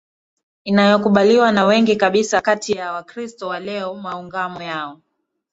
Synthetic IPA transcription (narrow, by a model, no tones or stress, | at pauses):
inajɔkuɓaliwanawɛŋɡikaɓisakatʰijawakɾistɔwalɛɔmauŋɡamɔjaɔ